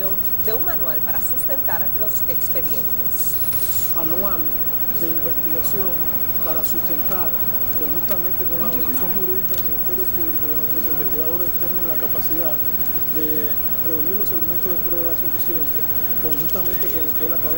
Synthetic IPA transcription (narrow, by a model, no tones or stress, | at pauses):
on | d̪e̞umanwalpaɾasust̪e̞nt̪aɾlo̞sekspe̞ðje̞̰nt̪ḛs | anwal | d̪e̞imbest̪iɣasjo̞ŋ | paɾasust̪e̞nt̪aɾ | koŋhunt̪amẽnt̪e̞konaβolisjoŋhuɾiðikaðelminist̪e̞ɾjo̞puβlikokenwest̪ɾosimbest̪iɣaðo̞ɾesest̪enŋẽnlakapasiða | ðe̞ | re̞uniɾlo̞se̞le̞mẽnt̪ozðepɾwe̞βaesufisje̞nt̪e | ko̞ŋhust̪amẽ̞nt̪eko̞nlokeeslakaðe